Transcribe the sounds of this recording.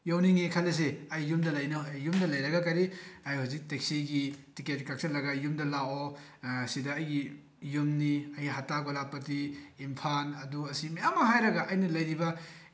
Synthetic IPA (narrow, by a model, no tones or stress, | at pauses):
jawniŋekʰɐlɐs̬eɐjːumdɐlɐjnɐjumdɐlɐjɾɐɡɐkɐɾiajhuzik̚tek̚siɡitiket̚kak̚sɐlɐɡɐjumdɐlawo | sidɐːjɡi | jumniɐjɡiɦataɡolapɐtiːmpʰanɐduɐsimeamɐɦajɾɐɡɐʔɐjnɐlɐjɾibɐ